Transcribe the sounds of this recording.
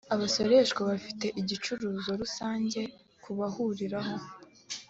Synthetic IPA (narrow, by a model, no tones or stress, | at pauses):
aβaso̞ɾe̞ʃɡwaβafi̥te̞ʔiɟit͡ʃuɾuːzo̞ɾusaːɲɟe̞ | kuβahuɾiɾaɦo̞